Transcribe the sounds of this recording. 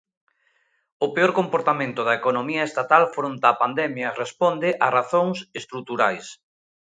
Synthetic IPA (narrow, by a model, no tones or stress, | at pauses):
ʊpeoɾkompoɾt̪amẽnt̪ʊðɐekonomiɐest̪at̪alfɾont̪aːpand̪ɛmjɐrespond̪ɪʔaraθoŋsest̪ɾut̪uɾajs